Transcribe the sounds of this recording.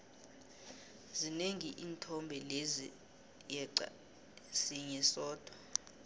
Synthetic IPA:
zineŋiʔiːntʰɔmbʱɛlezi | jɛa̰ | siɲɛsɔːd̥ʱwɔ

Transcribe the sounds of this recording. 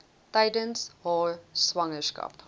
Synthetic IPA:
taɪdənshɔːswaŋəska̰p

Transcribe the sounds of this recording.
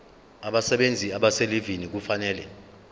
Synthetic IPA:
aɓasɛɓend͡zʱiaɓaselivinik̬ufanɛːlɛ̰

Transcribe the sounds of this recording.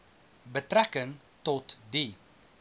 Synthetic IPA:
bətrækəŋ | tɔtdi

